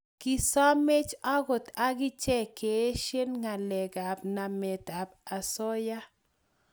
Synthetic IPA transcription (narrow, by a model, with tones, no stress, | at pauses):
ki˨sɔ˦me˦t͡ʃa˦ɡo˨t̪a˦ɡɪ˦t͡ʃɛ˦ke˨˦ʃe˦nŋa˨lɛ˨ɡa˨bna˨mɛ˨t̪a˨ba˨sɔ˦ja˦